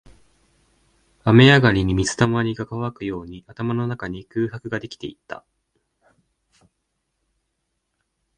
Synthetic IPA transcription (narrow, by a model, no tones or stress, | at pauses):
ame̞jaɡaɾʲiɲ̟imʲit͡sɨ̥t̪amaɲ̟iɡakaβakɯ̟jo̞ːɲ̟iat̪amano̞nakaɲ̟ikɯːhakɯ̟ɡad̪e̞kʲi̥t̪e̞ḭt̪ːa̰